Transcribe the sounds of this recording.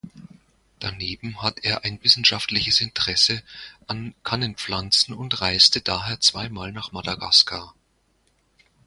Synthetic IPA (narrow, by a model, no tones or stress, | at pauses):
d̥aneːbm̩hateːɐʔaɪnvɪsn̩ʃaftlɪçəsɪntəʁ̥ɛsəʔankʰanənp͡flant͡sn̩ʊntʁaɪstədaːɦeːɐt͡sv̥aɪmaːlnaːχmadaɡa̰skʰa